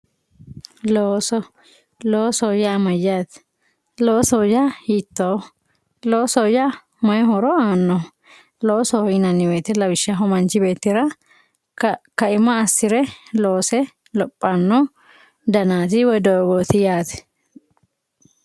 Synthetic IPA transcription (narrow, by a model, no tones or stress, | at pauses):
loːsɔ | loːsɔjamɐjːaːt̪ | loːsɔjahit̪ːo | loːsɔja | mɐjhɔɾɔaːnːɔ | loːsɔɪnɐnːɪbeːt̪ɪlɐbɪʃːɐɦɔmɐnt͡ʃɪbe̞ːt̪ːɪɾɐ | kɐɪmːɐːsːɪɾɛlo̞ːsɛ | lɔpʼːɐnːɔ | d̪ɐnaːt̪ɪwɔjd̪ɔɡoːt̪ɪjaːt̪ɛ̥